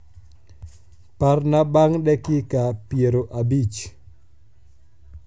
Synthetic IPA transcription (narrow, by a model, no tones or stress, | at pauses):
parnabaŋdɛkɪkapieɾoʔabit͡ʃ